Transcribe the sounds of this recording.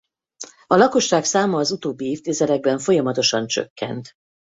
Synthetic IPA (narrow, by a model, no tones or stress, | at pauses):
ɒlɒko̞ʃːaːksaːmɒːzut̪oːbːieːft̪eːzɛlɛɡ̚bɛɱfo̞jɒmɒt̪o̞ʃɒnt͡ʃø̰kːɛ̰nt̪